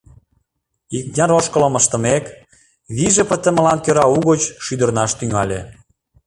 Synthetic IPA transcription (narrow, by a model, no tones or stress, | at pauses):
iknʲɑɾoʃkə̆lə̆mə̆ʃt̪ə̆mek | βiʒĕpə̆t̪ə̆mə̆lɑnkøɾɑuɣot͡ɕʃyd̪ə̆rnɑʃt̪yŋɑlʲe